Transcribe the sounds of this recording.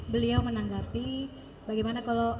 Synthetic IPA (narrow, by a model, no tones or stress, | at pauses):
bəliawmənaŋɡapi | baɡɛjmanakalo